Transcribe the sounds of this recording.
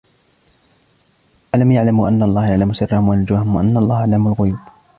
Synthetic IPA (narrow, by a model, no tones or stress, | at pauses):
ʔalamjaʕlamʔanːaɑlˤːɑːhjaʕlamʊsɪrːɑhʊmwanʊd͡ʒʊwahʊmwaʔanːaɑlˤːɑːhalamʊlɣʊjuːb